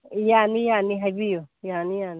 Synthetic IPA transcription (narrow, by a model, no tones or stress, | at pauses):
janijaniɦabijojanijani